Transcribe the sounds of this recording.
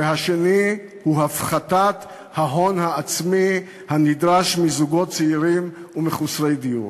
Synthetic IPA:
ehaʃe̞ni | huɦafχat̪at̪ | haɦo̞nhaːt͡smi | hanid̪ʁaʃmizuɡo̞t̚t͡seiʁimumeχusʁejd̪ijṵ

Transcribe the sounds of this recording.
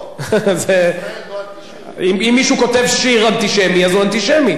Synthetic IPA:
ze | imimːiʃuko̞t̪e̞vʃiʁant̪iʃemiazuant̪iʃemi

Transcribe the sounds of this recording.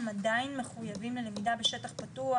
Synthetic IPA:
madajinme̞χujavimlelemidabe̞ʃe̞taχpatua

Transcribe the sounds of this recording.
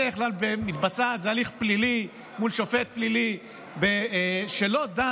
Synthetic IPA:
eeχlalbemit̪bat͡sat̪zealiχplili | mulʃofet̪̚plili | beʃelod̪a

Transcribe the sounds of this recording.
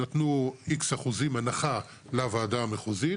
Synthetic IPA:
at̪nuikshaχuzimanaχa | lavaːdameχuzi

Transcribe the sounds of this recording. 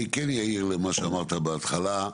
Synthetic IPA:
ikenjaiʁlemaʃeamaʁt̪abeat̪χala

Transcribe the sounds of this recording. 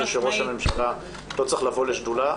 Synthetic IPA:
lʃeʁo̞ʃame̞mʃala | lot͡sʁiχlavo̞leʃdula

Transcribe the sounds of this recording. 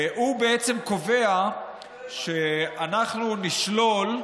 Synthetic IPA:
hubeet͡se̞mko̞ve̞a | ʃe̞anaχnuniʃlo̞l

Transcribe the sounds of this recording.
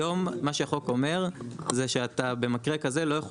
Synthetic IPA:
o̞mmaʃeχo̞ko̞me̞ʁzeʃeat̪abe̞makʁekazelo̞jaχo

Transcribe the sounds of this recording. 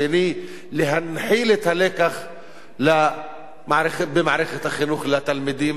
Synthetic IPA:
eniː | lɪɦanħiːlɪt̪haleːkax | la | maʕɾɪxbɪmaʕɾɪxat̪axɪnuːxlat̪ːalmɪd̪iːm

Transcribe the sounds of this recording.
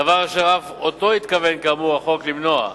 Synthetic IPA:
avaʁaʃeʁafot̪o̞it̪kave̞nkaamuʁaχo̞klimno̞a̰

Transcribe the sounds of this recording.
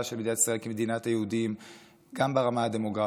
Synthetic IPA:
aʃelmed̪inat̪i̥sʁaelkemed̪inathajehudim | ɡambeʁamaade̞mo̞ɡʁa

